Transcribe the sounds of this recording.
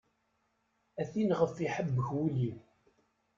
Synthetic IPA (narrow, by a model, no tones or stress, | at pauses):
æθinʁəfiħəbːəçwili